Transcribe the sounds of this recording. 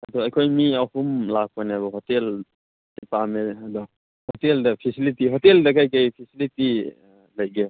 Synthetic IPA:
adɔɐjkʰojmiahumlak̚pʰɔjneabɔɦɔtel | depameɐdɔ | hoteldɐpʰisilitiɦɔteldɐkajkajpʰisiliti | lɐjɡe

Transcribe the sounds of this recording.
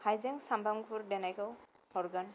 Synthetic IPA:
hajzɛŋsambaŋbuɹdɛnajkɔw | hɔɹɡan

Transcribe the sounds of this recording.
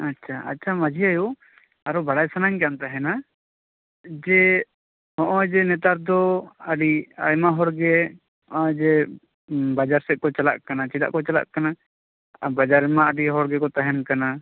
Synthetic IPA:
atːt͡ʃʰaa̰t͡ʃʰamad͡ʒʱiaju | aɾɔbaɽajsanaɲkant̪aɦɛna | d͡ʒɛ | hɔ̃ʔɔ̃d͡ʒɛnɛt̪̬aɾd̪ɔaɖia̰jmaɦɔɾɡɛ | ɔ̃d͡ʒɛ | bad͡ʒaɾsɛʔ̚kɔt͡ʃala̰ʔkanat͡ʃiɖa̰ʔkɔt͡ʃala̰ʔkana | bad͡ʒaɾmaaɖiɦɔɾɡɛkɔt̪aɦɛnkana

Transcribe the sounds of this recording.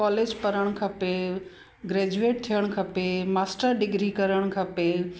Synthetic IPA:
kɔːleːd͡ʑpɐɾəɽ̃kʰɐpe | ɡɾɛːd͡ʑueːʈ̚t̪ʰijəɽ̃̆kʰɐpemaːsʈəɾɖɪɡɾikɐɾəɽ̃kʰɐpe

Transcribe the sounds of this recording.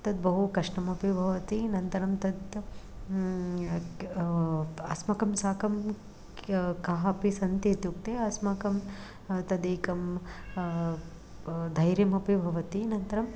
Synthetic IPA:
t̪ɐd̪bɐɦukɐʂɳɐmɐpibʱɐʋɐt̪inɐnt̪ɐɾɐmt̪ɐd̪ | ɐsmɐkɐmsaːkɐm | kɐɦɐpisɐnt̪eːt̪juk̚t̪eɐsmaːkɐm | t̪ɐd̪eːkɐm | d̪ʱɐjɾjɐmɐpibʱɐʋɐt̪inɐnt̪ɐɾɐm

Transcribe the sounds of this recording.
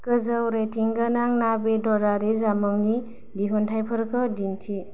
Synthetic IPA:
kɯzəwɾetiŋɡanaŋnabedɔɾaɾezamɯwni | diɦɔntʰajpʰəɾkʰɯdintʰi

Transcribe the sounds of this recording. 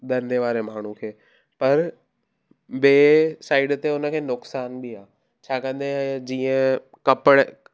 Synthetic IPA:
d̪ɐ̃nd̪eʋaːɾemaːɳ̤ũkʰeː | pɐɾ | ɓeːsaːɪɖt̪eʊnə̆kʰeːnʊksaːnbiaː | t͡ɕʰaːkɐ̃nd̪ʱed͡ʑiːə̃ | kɐpəɽ

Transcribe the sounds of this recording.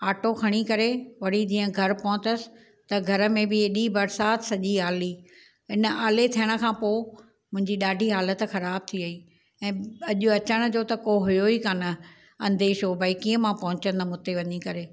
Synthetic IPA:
aːʈoxʰɐɽ̃ikɐɾeʋɐɽ̤id͡ʑĩːə̃ɡʱɐɾpɐɦʊ̃t̪əsɪ̥̆ | t̪ɐɡʱɐɾə̆mẽbɪeɗibɐɾsaːt̪sɐʄiaːli | ɦɪnə̆aːlet̪ʰijəɽ̃ə̆kʰãːpoː | mʊ̃ɦɪ̃ɲd͡ʑiɗaːɖʱiɦaːlət̪̆xɐɾaːb̚t̪ʰiɐiː | ɛ̃ːɐʄʊɐt͡ɕəɽ̃̆d͡ʑoːt̪ɐkoɦʊjoiːkaːnɐ | ɐ̃nd̪eːʃobaːɪkiːə̃mãpɐ̃ɦʊ̃t͡ɕə̃nd̪əmʊt̪eʋɐɲikɐɾeː

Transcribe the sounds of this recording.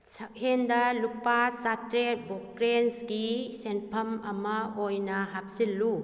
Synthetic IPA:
sɐk̚hendɐlupasatɾebokɾensɡisenpʰɐmɐmɐojnɐɦap̚silːu

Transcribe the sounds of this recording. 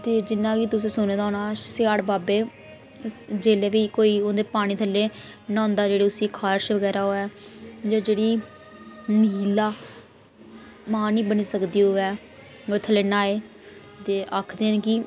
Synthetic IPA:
t̪eːd͡ʒɪnːãːkiːt̪ʊsẽːsʊnẽːd̪aoːnaːsɪaːɽbaːbeː | d͡ʒeːleːʋiːkoːiːond̪eːpaːɽ̃ĩːt̪ʰəlːeː | nãːnd̪aːd͡ʒeːɽeːʊsiːkʰaːɾʃʋəɡɛːɾaːɦoːɛːd͡ʒaːd͡ʒeːɽiː | məɦiːlaː | mãːnĩːbəniːsəkd̪iːɦoːɛː | oːt̪ʰəlːeːnaːeː | t̪eːʔaːkʰd̪ẽːnkiː

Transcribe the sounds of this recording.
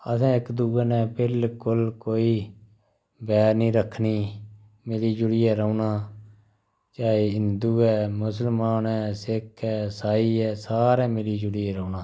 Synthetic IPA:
əsãːɪkd̪uːɛːnɛ̃ːbɪlkʊlkoːiː | bɛːɾnĩːɾəkʰːniː | mɪliːd͡ʒʊɽiːɛːɾəunaː | t͡ʃaːeːɪnd̪uːɛːmʊsəlmaːnɛːsɪkʰɛːsaːiːɛːsaːɾɛ̃ːmɪliːd͡ʒʊɽiːɛːɾəːnãː

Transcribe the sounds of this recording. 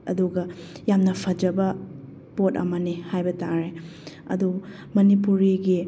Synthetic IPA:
ɐ̰duɡɐjamnɐpʰɐd͡ʒɐbɐ | pot̚ɐ̰mɐnihajbɐtaɾe | ɐ̰du | mɐnipuɾiɡi

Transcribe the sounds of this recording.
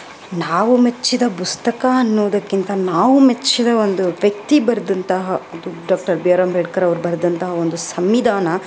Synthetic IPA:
naːʋumet͡ʃːid̪ɐpust̪ɐkɐɐnːuːd̪ɐkːint̪ɐnaːʋumet͡ʃːid̪ɐond̪uʋjɐk̚t̪ibɐɾd̪ɐnt̪ɐɦɐɐd̪uɖaːkʈɐɾbijɐɾɐmbʱɛɽkɐɾɐʋɐɾubɐɾd̪ɐnt̪ɐɦɐond̪usɐmʋid̪ʱaːnɐ

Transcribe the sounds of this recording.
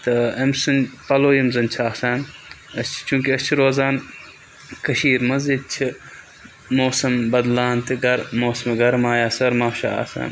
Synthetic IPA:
t̪ɐɐmsɨnpɐloːimzɐnt͡ʃʰaːsaːnɐst͡ʃʰi̥t͡ʃũːkiɐst͡ʃʰiɾoːzaːn | kɐʃiːɾmɐzid̪̚t͡ʃʰi | moːsɐmbɐd̪laːnt̪ʰiɡɐɾmoːsɐmɡɐɾmaːjaːsɐɾmaːʃa̰a̰ːsa̰ːn

